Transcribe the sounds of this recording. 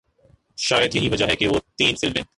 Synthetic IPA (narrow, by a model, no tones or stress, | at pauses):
ʃaːjəd̪jɐɦiʋɐd͡ʒaɦɛkeʋoːt̪iːnfɪlmɦḛ̃ː